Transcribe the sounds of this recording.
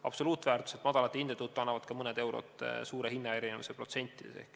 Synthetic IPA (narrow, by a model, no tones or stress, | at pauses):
ɑb̥so̞luːt̪ːˑvæːrt̪ˑu̥set̪ːmɑd̪̥ɑlɑt̪ːˑeind̪et̪ut̪ːˑuɑnːɑvɑd̪̥kɑmɤned̪̥e̞wɾo̰t̪ːˑsuːɾeɦinːɑe̞ɾinemḭsepro̞t̪se̞nʲt̪ʲːˑid̪̥esehk